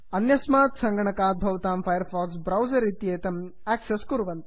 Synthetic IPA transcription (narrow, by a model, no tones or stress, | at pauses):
ɐnjɐsmaːt̪sɐŋɡɐɳɐkaːt̪̚bʱɐʋɐt̪aːmpʰɐjɐɾfʰaːksbɾɐwzɐɾit̪jeːt̪ɐm | æːkseskuɾʋɐnt̪